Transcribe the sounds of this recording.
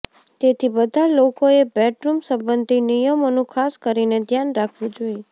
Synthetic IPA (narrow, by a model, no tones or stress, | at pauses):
t̪et̪ʰibəd̪ʱalokoebɛʈɾumsəmbənd̪ʱinijəmonũkʰaskəɾined̪ʱjanɾakʰʋũd͡ʒoi